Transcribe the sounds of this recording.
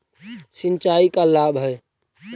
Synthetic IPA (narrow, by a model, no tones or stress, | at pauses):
sint͡ʃaikalabɦəj